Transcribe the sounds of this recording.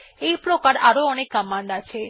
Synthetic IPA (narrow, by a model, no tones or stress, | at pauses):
ejpɾokaɾaɾoɔnekːamand̪at͡ʃʰe